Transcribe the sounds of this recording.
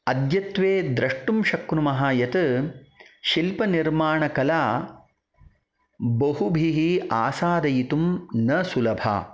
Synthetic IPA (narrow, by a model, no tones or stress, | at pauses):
ɐd̪jɐt̪ʋeːd̪ɾɐʂʈumʃɐknumɐɦaːjɐt̪ɨ | ʃilpɐniɾmaːɳɐkɐlaː | bɐɦubʱiɦiaːsaːd̪ɐjit̪umnɐsulɐbʱa̰ː